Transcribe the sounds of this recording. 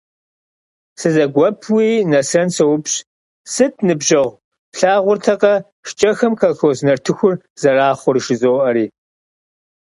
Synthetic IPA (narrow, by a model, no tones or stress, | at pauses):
sɨzɐɡʷɔpʰwiːnɐsɐnsɐwʊpɕ | sɨtʰnɨbʒɐʁʷ | ɬaːʁʷʊrtʰɐqɐ | ʃt͡ʃʼɐxɐmkʰɐxoznɐrtʰɨxʷʊr | z̥ɐraːχʷʊrʃɪzoːʔɐɾiː